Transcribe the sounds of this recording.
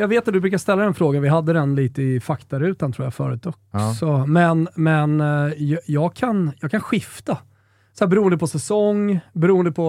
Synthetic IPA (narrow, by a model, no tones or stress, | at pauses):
jɑːɡveːt̪ːat̪d̪ɵbɾʉːkast̪ɛlːad̪ɛnfɾoːɡanvɪɦad̪ːəd̪ɛnliːt̪əɪfakt̪aɾʉ̟ːt̪ant̪ʰɾuːjafœ̰ːɾʉːt̪ɔksɔmɛnmɛnjjɑːɡkʰanjɑːɡkʰanɧɪft̪a | sæːbɛɾuːənd̪əpʰɔsɛsɔŋːbɛɾuːənd̪əpʰɔ